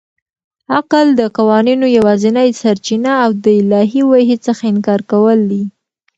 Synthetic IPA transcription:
aqəld̪əqawɑninojawɑzinəjsaɾt͡ʃinaːwd̪əɪlɑɦiwaɦet͡səxaɪnkɑɾkawəld̪i

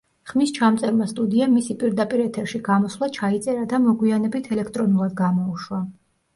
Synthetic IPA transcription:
χmist͡ʃʰamt̪sʼɛɾmast̪ʼud̪iamisipʼiɾd̪apʼiɾɛt̪ʰɛɾʃiɡamɔslˠat͡ʃʰait̪sʼɛɾad̪amɔɡwianɛbit̪ʰɛlɛkʰt̪ʼɾɔnulˠad̪ɡamɔuʃwa

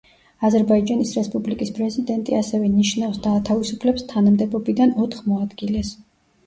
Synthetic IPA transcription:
azɛɾbaid͡ʒanisɾɛspʼublikʼispʼɾɛzid̪ɛnt̪ʼiasɛvɛniʃnafsd̪aːt̪ʰavisupʰlɛpst̪ʰanamd̪ɛbɔbid̪anɔt̪ʰχmɔad̪ɡilɛs

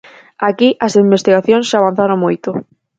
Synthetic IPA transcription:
akiʔasimbest̪iɣaθjõnsʃaβãn̟θaɾõŋmojt̪o

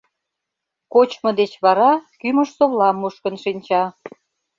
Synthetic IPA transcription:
kot͡ɕmɤ̆d̪et͡ɕβɑɾɑkyməʃsoβlɑmːuʃkənʃinʲt͡ɕɑ

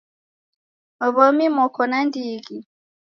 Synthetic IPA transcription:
ɔβɔmimɔkʰɔnandiːɡi

